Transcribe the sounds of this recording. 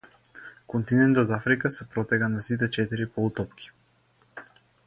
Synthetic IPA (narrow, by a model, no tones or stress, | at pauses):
kont̪inɛnt̪ot̪afɾikasɛpɾɔt̪ɛɡanasit̪̬ɛt͡ʃɛt̪iɾipɔut̪ɔpkʰʲi̥